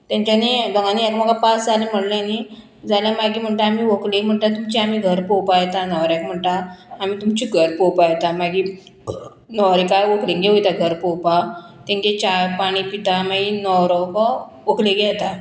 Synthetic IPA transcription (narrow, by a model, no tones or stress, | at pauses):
t̪jãɲt͡ɕanebəŋɡaniɛkm̤əɡapasd͡zalem̤əɽleani | d͡zaljamaɡiːm̤əɳʈ̪aːmiːʋoklem̤əɳʈ̪at̪umt͡ɕiamiːɡʱəɾpɔwpajt̪anəʋɾɛkm̤əɳt̪aːmiːt̪umt͡ɕiɡʱəɾpɔwpajt̪amaɡiː | nɔwɾikajʋokliŋɡeojt̪aɡʱəɾpɔwpat̪ẽŋɡet͡ɕajpaɽ̃ipit̪amaɡinɔwɾɔkɔ | okʰleɡɛt̪a